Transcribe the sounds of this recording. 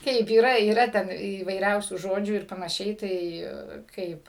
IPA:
ˈkɐɪp iːˈrɐ iːˈrɐ ˈtʲɛn iːʋɐɪˈrʲɛʊsʲuː ˈʒoːd͡ʒʲuː ɪr pɐnɐˈʃʲɛɪ ˈtɐɪ ˈkɐɪp

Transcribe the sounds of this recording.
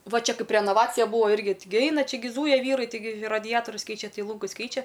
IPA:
ˈʋɐ ˈt͡ʃʲɛ ˈkɐɪp rʲɛnɐˈʋɑːt͡sʲɪjɛ ˈbuːʋoː ˈɪrʲɡʲɪ ˈtʲɪɡʲɪ ˈɐɪnɐ ˈt͡ʃʲɛ ɡʲɪ ˈzuːjɛ ˈʋʲiːrɐɪ tʲɪˈɡʲɪ rɐˈdʲæːtoːrʲʊs ˈkʲɛɪt͡ʃʲɛ ˈtɐɪ ˈlˠuːŋɡʊs ˈkʲɛɪt͡ʃʲɛ

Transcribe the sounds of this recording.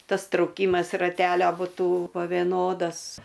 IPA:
ˈtɐs trɐʊˈkʲiːmɐs rɐˈtʲæːlʲoː bʊˈtuː poː ʋʲeːˈnoːdɐs

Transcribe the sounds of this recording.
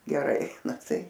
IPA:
ɡʲɛˈrɐɪ nɐ tɐɪ

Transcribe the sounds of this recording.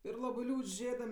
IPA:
ɪr ˈlˠɑːbɜ ˈlʲuːt͡ʃʲ ˈʒʲeːdɐm

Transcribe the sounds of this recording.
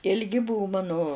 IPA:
ɪlʲˈɡʲɪ ˈbʊʋʊ ˈmɑːnʊ

